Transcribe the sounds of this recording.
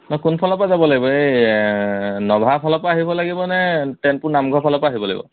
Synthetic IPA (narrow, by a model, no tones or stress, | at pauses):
nɔkunpʰɔlɔpazabɔlaɡibɔej | nɔbʱapʰɔlɔpaːɦibɔlaɡibɔnɛtɛnpʊɹnamɡʱɔpʰɔlɔpaːɦibɔla̰ɡḭbɔ̰